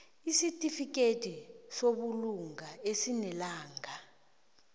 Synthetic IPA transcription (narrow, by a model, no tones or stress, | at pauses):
isitʼifik̬ʼed̥ʼʱisoɓuluŋɡaesinɛlaːŋɡʱa